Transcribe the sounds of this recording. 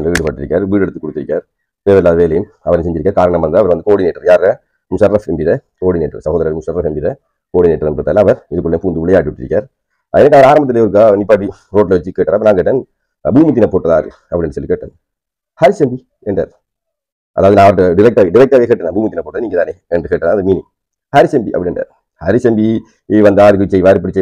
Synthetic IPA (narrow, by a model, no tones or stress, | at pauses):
lɐʋiːɽɯpaːʈːɪɾɪkːaːɾʋiːɽɛɽɯt̪ːɯkːɔɽɯt̪ːɪɾɪkːaːɾ | teːʋɐɾlaːðʋeːlɐjn | ɐʋɐɾnsɛɲd͡ʒɪɾɪkːaːɾkaːɾɐɳɐmʋɐnd̪aɐʋɐɾʋɐnd̪ɯkoːɽineːʈːɐɾjaːɾɐ | msɐɾɾɐfɛmbiðɐ | koːɽineːʈrɐ̰sɐɣoːðɐɾɐɾmsɐɾɾɐfɛmbɪðɐ | koːɽineːʈːɐɾɐmpɐɾt̪aːlɐɐʋɐɾɪðɯkːɯɭːenpuːnd̪ɯʋɪɭɐjaːʈːiʋɐʈːɪɾɪ̰kːɾaːɾ | ɛnɐkːɯɐʋɐɾaːɾɐmbɐt̪ːɪlejɔɾɯk̬ːɯanɪpːaːʈ̬ːi | ɾoːʈ̬lɐʋɐt͡ʃːɯkːeːʈːaːɾɐpːɐɾnaːŋkeːʈːɐːn | buːmit̪̬ːɪnɐpoːʈːɐðaːɾɯ̰ | ɐpːɐɽɪnɳrɯsɔlːikeːʈːɐ̰ːn | hɐɾɪsɛmbi | ɛɳɖa̰ːɾ | ʔɐ̰ðaːʋɐðɯnãːʋɐɾɖɪɾɛk̚ʈaːɣɐɖɪɾɛk̚ʈaːɣɐkeːʈːɐnaːbuːmit̪ːɪnɐpːoːʈːɐðniːŋɡɐt̪aːne | ɛndrɯkeːʈːɐnãːnd̪ɐmiːnɪŋ | hɐɾisɛmbiʔɐ̰pːɐɽɪnɛɳɖɾa̰ːɾ | hɐɾisɛmbi | ʋɐnd̪aːɾpɽɪt͡ʃːɐjʋaːɾɯpɪɽɪt͡ʃːɐ